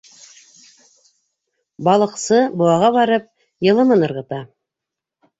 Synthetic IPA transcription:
bɑlˠɤ̆qsɤbŏwɑʁɑβɑɾɤp̚ | jɤ̆lˠɤ̆mɤnɤ̆ɾʁɤ̆t̪ɑ

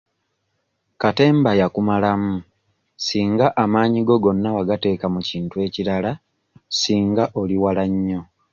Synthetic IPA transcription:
kate̞ːmbajakumalamu | siːŋɡaʔamaːɲiɡo̞ɡo̞nːawaɡate̞ːkamuciːntue̞ːciɾala | siːŋɡaʔo̞liwalaɲːo̞

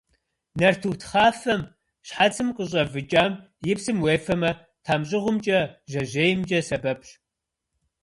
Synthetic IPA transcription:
nɐrtʰutʰχaːfɐm | ɕħat͡sʰɨmqʼəɕ̬ʼɐvɨt͡ʃʼaːm | jɪpsɨmweːfɐmɐ | tʰaːmɕʼɪʁʷʊmt͡ʃʼɐʒɐʑeːjmt͡ʃʼɐsɐbɐpʰɕ

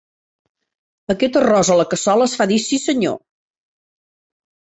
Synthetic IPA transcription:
əkɛt̪ərɔzələkəsɔləːsfaðisisəɲo̰

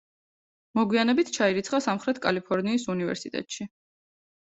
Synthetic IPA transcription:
mɔɡwianɛbit̪ʰt͡ʃʰaiɾit̪sʰχasamχɾɛt̪ʰkʼalipʰɔɾniːsunivɛ̰ɾsit̪ʼɛ̰t̪ʼʃi

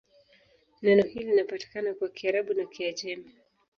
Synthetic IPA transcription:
nɛnɔhilinapati̥kanakwakiaɾaɓunakʰiad͡ʒɛma

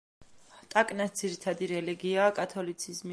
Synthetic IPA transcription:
t̪ʼakʼnasd̪z̥iɾit̪ʰad̪iɾɛliɡiaːkʼat̪ʰɔlit̪sʰizmi

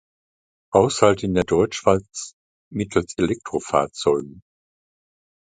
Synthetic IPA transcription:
haʊshaltɪndeːɐdɔʏt͡ʃʃv̥aɪt͡s | mɪtʰl̩selɛk̚tʁ̥ofa̰ːɐt͡sɔʏɡŋ̩

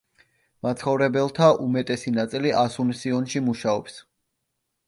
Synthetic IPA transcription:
mat̪sχɔvɾɛbɛlˠt̪ʰaʔumɛt̪ʼɛsinat̪sʼiliʔasunsiɔnʃimuʃaɔps

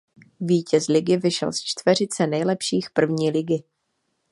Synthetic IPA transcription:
viːcɛslɪɡɪvɪʃɛ̰lst͡ʃt̪vɛr̝ɪt͡sɛnɛjlɛpʃiːxpr̩vɲiːlɪɡɪ

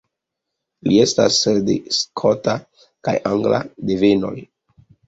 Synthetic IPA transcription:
lie̞sta̰sdeskʰota | kajʔaŋɡla̰deve̞no̞̰j

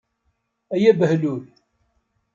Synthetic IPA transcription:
æjæbəhlul

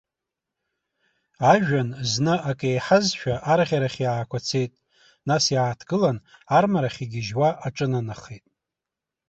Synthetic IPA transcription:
aʒᶣanznɨʔakʼejħazʃᶣaʔaɾʁʲaɾaχʲjaːkʷʰat͡sʰe̞jtʼ | nasjaːtʰɡɨlanarmaɾaχʲiɡʲɪʒwaʔaʈ͡ʂʼɨnanaχejtʼ

